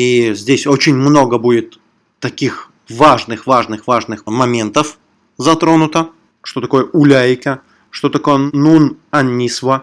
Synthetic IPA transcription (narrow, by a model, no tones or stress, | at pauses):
izʲdʲesʲo̞t͡ɕɪnʲmno̞ɡəbudʲɪt̪ː | ɐkʲix | vaʐnɨxvaʐnɨxvaʐnɨxmɐmʲe̞nt̪əf | zɐt̪ɾo̞nʊt̪ə | ʂt̪o̞t̪ɐko̞jəʔʊlʲajkə | ʂt̪o̞t̪ɐko̞jənunɐnʲːisvə